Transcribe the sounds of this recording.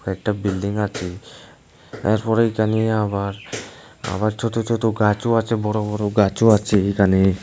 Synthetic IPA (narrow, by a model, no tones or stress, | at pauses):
ɛk̚ʈabilɖiŋat͡ʃʰi | ɛɾpɔɾejkaniabaɾ | a̰baɾt͡ʃʰot̪ot͡ʃʰot̪oɡat͡ʃoat͡ʃʰebɔɾobɔɾoɡat͡ʃoat͡ʃʰikani